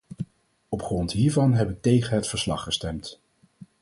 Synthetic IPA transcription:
ɔpχrɔntɦiːɹvɑnɦɛpɪk̚tejχənɦətfəɹslɑ̰χːəstɛmt

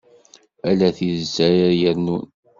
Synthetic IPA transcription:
ælæθizæɾajəɾnun

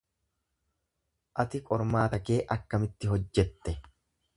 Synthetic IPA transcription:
ʔɐt̪ɪkʼɔɾmaːt̪ɐke̞ːʔɐkːɐmɪt̪ːɪɦɔd͡ʒːɛt̪ːɛ

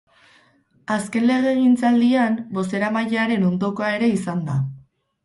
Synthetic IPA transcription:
aske̞nle̞ɣ̞e̞ɣ̞int͡sald̪iambo̞se̞ɾamajeaɾe̞no̞nd̪o̞ko̞ae̞ɾe̞isand̪a

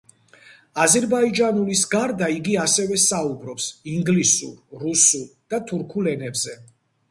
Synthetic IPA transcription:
azɛɾbaid͡ʒanulisɡaɾd̪aiɡiasɛvɛsaubɾɔpsiŋɡlisṵɾːusuɾd̪̥at̪ʰuɾkʰulɛnɛbzɛ

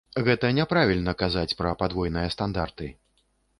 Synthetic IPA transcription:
ɣɛt̪ɐnʲɛpɾavʲilʲnɐkazat͡sʲpɾɐpad̪vɔjnɨjɐst̪and̪art̪ɨ

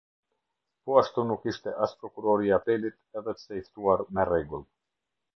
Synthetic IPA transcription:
puast̪unukiʃt̪eʔaspɾokuɾoɾiapelit̪ɛvɛt̪seist̪uaɾmereɡul

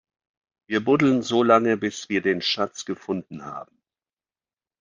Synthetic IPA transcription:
viːɐbʊdl̩ənzoːlaŋəbɪsv̥iːɐdeːnʃat͡sɡ̥əfʊndn̩ha̰ːbm̩

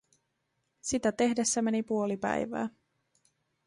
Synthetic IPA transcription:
sit̪æt̪e̞hde̞sːæmenipuo̞lipæ̰jʋæ̰ː

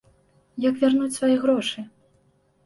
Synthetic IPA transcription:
jɐkvʲarnut͡sʲsvajiɣɾɔʂɨ

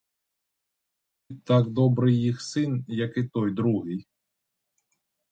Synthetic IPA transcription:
t̪aɡd̪ɔbɾɪjjixsɪnjɐkɪt̪ɔjd̪ɾuɦɪj

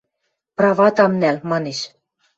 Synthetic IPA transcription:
prɑvɑt̪ɑmnælmɑneʃ

